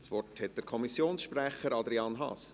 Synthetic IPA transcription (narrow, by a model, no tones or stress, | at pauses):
sʋɔrthɛt̚d̥əɾkʰɔmisjoːnsʃprɛχəɾɑd̪ɾiɑːnɦɑ̰ːs